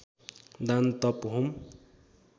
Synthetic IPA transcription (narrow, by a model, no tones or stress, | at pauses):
d̪ant̪ʌpɦum